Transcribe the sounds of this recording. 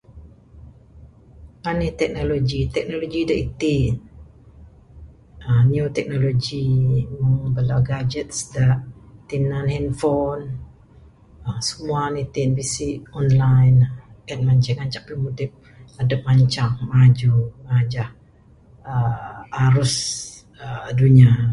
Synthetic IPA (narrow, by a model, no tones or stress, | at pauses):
anit̪ɛk̚nolod͡ʒit̪ɛk̚noloɡidaʔit̪in | əniot̪ɛk̚nolod͡ʒiməŋbəlawɡad͡ʒɛt̪̚sdaʔt̪inanhɛnfɔn | əsəmuanit̪inbisiʔɔnlajnɛt̪̚maɲt͡ʃaŋaɲt͡ʃaʔpimut̪ip̚ | adap̚maɲt͡ʃaŋmad͡ʒuŋad͡ʒah | əaɾʊs | əduɲa